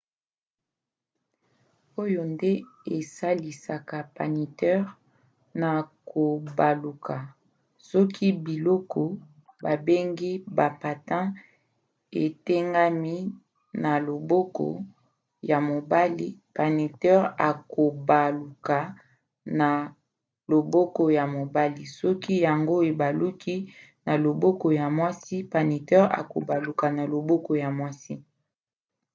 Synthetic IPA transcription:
o˦jo˨nde˦e˨sa˦li˨sa˨ka˨pa˨ni˨tɛ˦ʁ | na˨kʰo˨ba˨lu˨kʰa˨ | sɔ˦kʰi˦bi˨lɔ˦kɔ˦ | ba˨be˦ŋɡi˦ba˨pa˨tã˦ | e˨te˦ŋɡa˦mi˦ | na˨lo˨bɔ˦kɔ̰˨ | ja˨mo˨ba˦li˦pa˨ni˨tɛ˦ʁa˨ko˨ba˨lu˨ka˨ | na˨ | lo˨bo˦ko˦ja˨mo˨ba˦li˨sɔ˦ki˦ja˨ŋɡo˦e˨ba˨lu˦kʰi˦na˨lo˨bo˦ko˨ja˨mwa˦si˦pa˨ni˨tɛ˦ʁa̰˨ko˨ba˨lu˨ka˨na˨lo˨bo˦ko˨ja˨mwa˦si˦

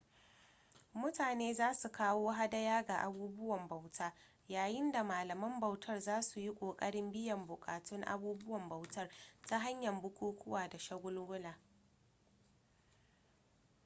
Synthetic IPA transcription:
mʊ˦taː˨neː˦zaː˦su˨kaː˦woː˦ɦa˦dɐ˦jaː˦ɡaː˨ʔa˦buː˦bʊ˦wɐ˨mba˨wtʰaː˦ | jaː˨jɪ˦nda˨maː˨lɐ˨mɐ˦mbɐ˨wtʰɐ˦rzaː˦su˨ji˦kʷʼoː˨kʼɐ˦ɽɪ˦mbɪ˦jɐ˨mbʊ˨kʼa̰ː˨tʊ˦ŋʔa̰˦buː˦bʊ˦wɐ˨mbɐ˨wtɐ˦rta˦ɦa˦ɲjɐ˨mbʊ˦kʷʰoː˦kʷʰʊ˦waː˨da˨ʃɐ˦ɡʷʊ˦lɡʷʊ˦laː˨

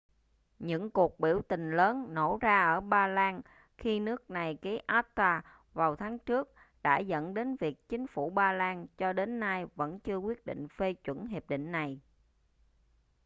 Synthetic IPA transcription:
ɲɨ̰˧˥ŋku˨˩ək̚ɓḭ˧˩əwt̪ï˨˩ŋ̟ləː˨˦nno˧˩zaː˧ʔəː˧˩ɓaː˧laː˧n | xi˧nɨ˦˥ək̚na˨˩jki˨˦ʔaː˦˥tt̪aː˧ | vaː˨˩wt̪ʰaː˨˦ŋt͡ɕɨ˦˥ək̚ | ɗa̰ː˧˥zə̰˧˥nɗe˨˦nvi˨˩ək̚t͡ɕï˨˦ŋ̟fu˧˩ɓaː˧laː˧nt͡ɕɔ˧ɗe˨˦nːa˧jvə̰˧˥nt͡ɕɨ˧əkwi˦˥ət̚ɗḭ̈˧˨ŋ̟fe˧t͡ɕwə˧˩nɦe˨˩p̚ɗḭ˧˨ŋ̟na˨˩j

